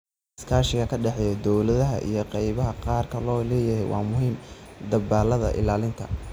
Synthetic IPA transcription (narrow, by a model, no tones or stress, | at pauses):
skʰaːʃɪɣɐkʰɐɖɛħɛːjɛd̪ɔwlɐðɐɦɐ̰ʔḭjɞqɛjβɐɦɐqɑːrkʰɐlɔːlɛːjɐɦɛjwʔɑːmʊɦiːmd̪ɐbaːlɐðɐ̰ʔɪ̰laːlɪŋt̪ʰɐ